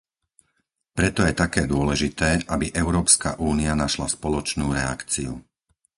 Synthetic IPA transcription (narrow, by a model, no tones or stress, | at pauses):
pɾɛt̪ɔjɛt̪akɛːd̪ʊɔlɛʒit̪ɛːʔabiʔɛʊɾɔːpska̰ʔuːnianaʃlaspɔlɔt͡ʃnuːɾɛa̰kt͡siu